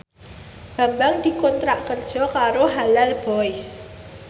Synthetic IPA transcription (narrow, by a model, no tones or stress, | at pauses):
b̥ä̤mbaŋd̪̥i̤kɔnt̪ɾaʔkərd̥ʒ̥ɔ̤kaɾoɦalalb̥ɔɪs